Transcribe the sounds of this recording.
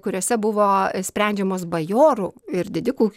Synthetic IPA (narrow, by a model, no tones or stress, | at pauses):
kʊɾʲoːsʲɛbʊʋoːsʲpʲɾʲɛˑnʲd͡ʒʲɛmoːsbɐjoːɾuɪɾd̪ʲɪd̪ʲɪkuː